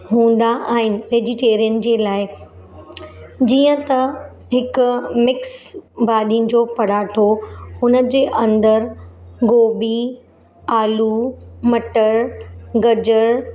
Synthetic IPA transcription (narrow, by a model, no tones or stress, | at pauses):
ɦũːn̆d̪aʔaːɦɪnɪ̆ʋeːd͡ʑɪʈeːɾijənd͡ʑeːlaːɪ | d͡ʑiːə̃t̪ɐ | ɦɪkʊmɪksbaːɗin̆d͡ʑoːpɐɽ̤aːʈʰohʊnəd͡ʑeːʔɐ̃nd̪əɾɡoːbi | aːlumɐʈəɾɡɐd͡ʑəɾ